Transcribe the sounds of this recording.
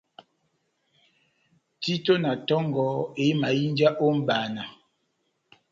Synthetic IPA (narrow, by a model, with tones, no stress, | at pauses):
ti˦to˦na˨tɔ˦ŋɡɔ˨˦e˨˦ma˨ji˦nd͡ʒa˦ʔo˦m̩˦baː˨na˨